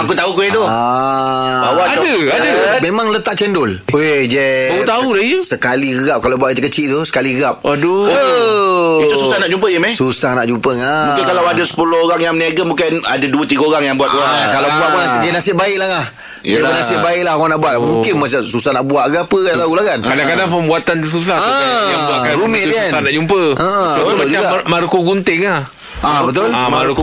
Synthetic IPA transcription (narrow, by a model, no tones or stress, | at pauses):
akut̪aukuit̪ʊa | awaadəadəmemãŋlət̪aʔ̚t͡ʃɛndʊled͡ʒɛt̪aulasəkaliəɣap̚kalabuaʔit̪əkət͡ʃiʔt̪usə̥kaliɣap̚do | iususahnaʔd͡ʒumpəd͡ʒəmɛsusahnaʔd͡ʒumpəŋammukɪnkalawadasə̥pulʊhoɾaŋjaŋmniaɡəmũkɪnadaduət̪iɡəoɾaŋjaŋbuat̪̚akalawbuaʔpnaɡənasɪʔbaɪʔlaah | əbənasɪʔbaɪʔ̚lahanaʔbuaʔmũŋkɪnmasasusahnaʔbuaʔɡapəlaɡulahkankadaŋŋkadaŋpəmbuat̪ans̬us̬aaaaʔkaɾumɪiansanad͡ʒumpəʔəʔəbət̪ld͡ʒuaɡamaɾukoɡunt̪ɪŋah | ʔabət̪̬ʊla